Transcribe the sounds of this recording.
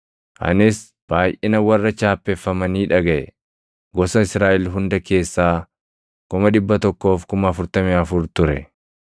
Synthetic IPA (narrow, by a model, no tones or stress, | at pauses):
ʔɐ̰nɪs | b̥aːjʔɪnɐwɐrːɐt͡ʃaːpːɛfːɐmɐniːᶑɐɡɐʔɛ̰ | ɡɔsɐɪsɾaːʔɛlɦʊnd̪ɐke̞ːsːaː | kʊmɐd̪ɪbːɐt̪ɔkːo̞ːfkʊmɐːfʊɾt̪ɐmɪɐfʊɾt̪ʊɾɛ̰